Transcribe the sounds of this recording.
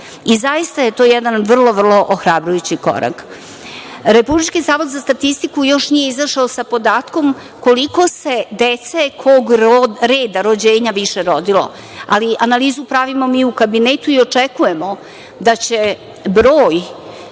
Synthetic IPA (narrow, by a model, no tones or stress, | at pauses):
izaist̪aje̞t̪o̞ːjɛd̪anʋr̩lˠo̞ʋr̩lˠo̞ʔoxɾabɾujut͡ɕiko̰ɾa̰k | ɾepublit͡ʃkizaːʋot̪zast̪at̪ist̪ikujo̞ʃnije̞izaʃaosapo̞d̪aːt̪ko̞m | ko̞liko̞se̞d̪et̪sekʰoɡɾeːd̪aɾod͡ʑeːɲaʋiʃeɾo̞d̪ilo̰ | a̰liʔanaliːzupɾaʋimo̞miːukabinet̪uio̞t͡ʂekujemo̞ | d̪at͡ɕe | bɾoːj